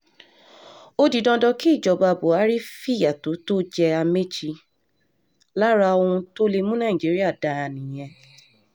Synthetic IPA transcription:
o˦di˨˦dɔ̃˧dɔ˧ki˦i˦˨d͡ʒɔ˨ba˨˧˨bo˨˦a˨˦ɾi˦fi˦˨ja˨to˨˦to˦d͡ʒɛ˧a˧me˦d͡ʒi˧ | la˦ɾa˧o˧ũ˧to˦le˧mũ˦nã˦˨ĩ˨d͡ʒi˨˦ɾi˦a˦˨da˨˦˨nĩ˨j̃ɛ̃˧

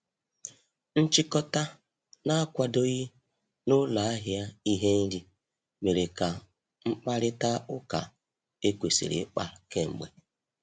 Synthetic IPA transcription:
n̩˦t͡ʃi˦kɔ˦ta˦ | na˦a˦kʷa˦do˦ɣi˦ | nʊ˦la˨˦a˦ɦja˦i˦ɦe˦n̩˦di˦ | me˨ɾe˨ka˨ | ŋ͡m̩˦k͡pa˦ɾɪ˦ta˦ʊ˦ka̰˨ | e˦kʷe˨sḛ˨ɾḛ˨˦k͡pa˦ke˦ŋ͡m̩˨ɡ͡bḛ˨

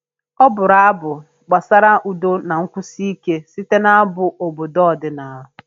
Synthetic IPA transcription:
ɔ˦bʊ˨ɾa˦a˦bʊ˨ | ɡ͡ba˨sa˦ɾa˦ʔu˨do˦na˨ŋ̩˦kʷu˦si˦i˦ke˦si˦te˦na˦bʊ˨ʔo˨bo˨dɔ˦ɔ˨dɪ˦na˨˦ɦʊ˨

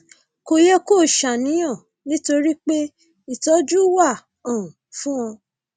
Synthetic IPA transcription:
ko˨jɛ˦ko˦˨ʃa˨nĩ˨˦j̃ɔ̃˦˨ | nĩ˦to˧ɾi˦k͡pe˦ | i˨tɔ˨˦d͡ʒu˦wa˦˨ | ã˨fũ˦ɔ̃˧

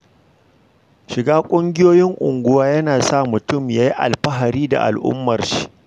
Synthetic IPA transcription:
ʃɪ˨ɡaː˦kʷʼʊ˦ŋɡʲɪ˦joː˦jɪ˦ŋʔʊ̰˨ŋɡʷʊ˦waː˦jɐ˦naː˨sa˦˨mʊ˨tʊ˦˨mjaː˦ji˦ʔa̰˨lɸɐ˦ɦa˨ɾiː˦da̰˨ʔa̰˨lʔʊ̰˦mːɐ˨rʃi̥˦

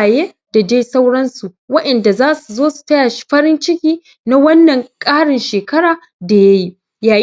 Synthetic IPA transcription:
jeː˦ | d̥a˨d͡ʒeː˦sa˦wɽɐ˦nsu˨ | wɐ˦ɗɐ˨nda˨zaː˦su˨zoː˦su̥˨tɐ˦jaː˨ʃi̥˦ɸɐ˦ɽɪ˦nt͡ʃɪ˦kʲiː˦ | na˦wɐ˦nːɐ˨ŋkʼaː˦ɽɪ˨nʃeː˨kɐ˦ɽaː˨ | da˨ja˦ji˦ | jaː˨

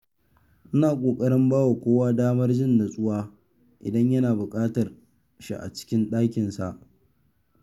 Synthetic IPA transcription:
ʔɪ˦naː˨kʷʼoː˨kʼɐ˦ɽɪ˦mbaː˦wa˨kʷoː˦waː˦daː˦mɐ˦rd͡ʒɪ˦˨nda˨sʼʊ˦waː˦ | ʔɪ̰˨dɐ˦ɲjɐ˦naː˨bʊ˨kʼaː˦tɐ˨r | ʃḭ˦ʔa̰˨t͡ʃɪ̥˦kʲɪ˦nɗaː˦kʲɪ˨nsa̰˨ʔ

